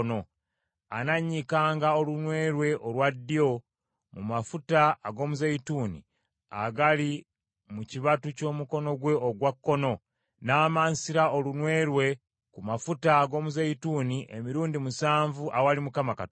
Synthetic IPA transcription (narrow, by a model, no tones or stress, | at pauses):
no | anaɲːikaːŋɡaolunwe̞ːɾwe̞ʔolwadːio̞ | mumafutaːɡo̞ːmuzaituːnḭ | a̰ɡali | muciβatuco̞ːmuko̞no̞ɡwe̞oɡwakːo̞no̞ | naːmaːnsiɾaolunwe̞ːɾwe̞ | kumafutaːɡo̞ːmuzeituːniʔḛmiɾuːndimusaːɱvuʔawalimukamakat